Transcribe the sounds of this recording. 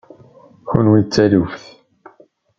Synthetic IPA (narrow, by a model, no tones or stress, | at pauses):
çṵnwit͡sːælufθ